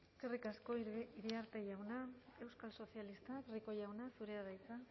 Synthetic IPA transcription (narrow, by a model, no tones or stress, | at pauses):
eskerikasko̞iɾiaɾt̪e̞ʝawnae̞wskalso̞θialist̪akriko̞ʝawnasuɾe̞aðajt͡sa